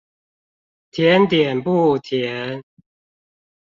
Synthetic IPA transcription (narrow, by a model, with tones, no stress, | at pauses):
t̪ʰjɛ˨˧˦nt̪jɛ˨˩npu˥˧t̪ʰjɛ˨˦n